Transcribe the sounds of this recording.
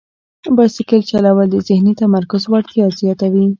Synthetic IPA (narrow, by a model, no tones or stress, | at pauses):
bɑjsɪkəlt͡ʃalawəld̪əzɪhnit̪amaɾkʊzwaɽt̪jɑzjɑt̪awi